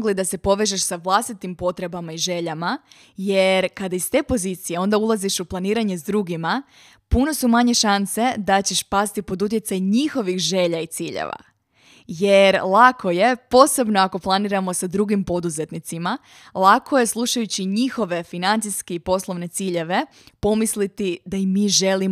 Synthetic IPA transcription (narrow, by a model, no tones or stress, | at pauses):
ɡlid̪ase̞po̞ʋeʒeʃsaʋlˠast̪it̪impo̞t̪ɾe̞bamaiʒe̞ʎama | je̞ɾkad̪aist̪e̞ːpo̞zit̪sije̞o̞nd̪aulˠaziʃuplˠaniːɾaɲe̞zd̪ɾuɡima | puno̞sumaɲe̞ʃanse̞d̪at͡ɕe̞ʃpast̪ipo̞d̪ut̪̬jesajɲixo̞ʋixʒe̞ʎait̪siːʎḛʋa̰ | je̞ɾlˠakʰo̞je̞po̞ːse̞bno̞ako̞plˠaniɾamo̞sad̪ɾuɡimpo̞d̪uze̞t̪nit̪sima | lˠako̞je̞slˠuʃajut͡ɕiɲixo̞ʋe̞finant̪siskeipo̞slˠo̞ʋne̞t̪siːʎe̞ʋe̞ | po̞mislit̪id̪aimːiːʒe̞li